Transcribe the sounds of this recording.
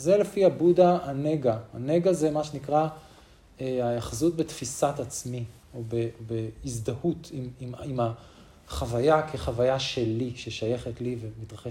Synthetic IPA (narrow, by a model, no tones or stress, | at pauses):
zele̞fiabudaːneɡaa̰neɡazemaʃenikʁa | eajaχzut̪̚bet̪fisatat͡smi | obebeizd̪ahutʰimimima | χavajakʰeχavajaʃe̞liʃeʃaje̞χetlivemit̪ʁaχe